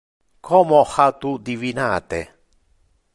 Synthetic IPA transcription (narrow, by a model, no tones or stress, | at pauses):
kʰɔmohat̪ud̪ivinaːt̪e